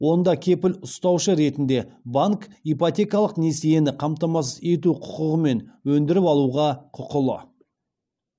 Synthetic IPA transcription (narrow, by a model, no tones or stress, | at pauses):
wo̞nd̪ɑkʲʰe̞pɪlʊst̪ɑwʃəɾe̞t̪ɪnd̪e̞baŋkijpot̪ʲe̞kɑlˠəqneseje̞nɪqʰɑmt̪ɑmɑs̬ze̞t̪̬uqʰʊ̥qəʁəme̞nwɵnd̪ɪɾɪpɑlˠuʁɑqʰʊqəlˠə̰